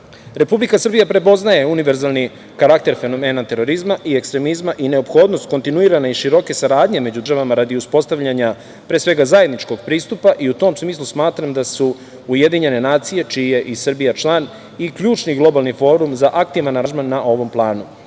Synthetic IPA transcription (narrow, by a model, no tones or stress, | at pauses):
ɾe̞publikasr̩bijapɾe̞po̞znaje̞uniʋe̞ɾzalˠni | kaɾak̚t̪e̞ɾfe̞no̞me̞ːnat̪e̞ɾo̞ɾizmaʔie̞kst̪ɾe̞mizmaʔine̞o̞pxo̞ːd̪nost̪̚ko̞nt̪inuiːɾanaiʃiɾo̞ke̞saɾaːd̪ɲe̞me̞d͡ʑud̪rʒaʋamaɾad̪iuspo̞st̪aʋʎaɲa | pɾeːsʋe̞ɡazaje̞d̪nit͡ʃko̞ɡ̚pɾiːst̪upaʔiut̪o̞ːmsmiːslˠusmaːt̪ɾamd̪asu | uje̞d̪iɲe̞ne̞naːt̪sije̞t͡ʃije̞ʔisr̩bijat͡ʃlˠaːn | ikʎuːt͡ʃniɡlˠo̞balˠnifo̞ːɾumzaʔak̚t̪iʋanaaʒmanːaʔo̞ʋo̞mplˠaːnu